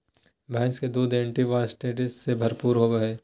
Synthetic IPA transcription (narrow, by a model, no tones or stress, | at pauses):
bʱɛ̃ːnsked̪uːd̪ẽːɳʈiʋaːsʈeːʈɪssebʱɐɾpuːɾɦoːʋəɦeː